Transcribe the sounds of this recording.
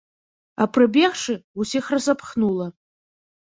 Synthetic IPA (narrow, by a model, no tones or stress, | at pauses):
a̰pʰrɨbʲeʁʂɨusiχrasapʰχnula